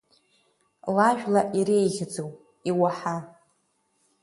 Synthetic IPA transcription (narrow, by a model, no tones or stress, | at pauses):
laʒᶣlaʔiɾejɣʲɪd͡zowpʼ | iwaħa